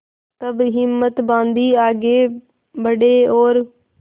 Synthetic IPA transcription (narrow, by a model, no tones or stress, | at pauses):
t̪əbɦɪmːət̪bãːnd̪iːaːɡeː | bəɖeːoːɾ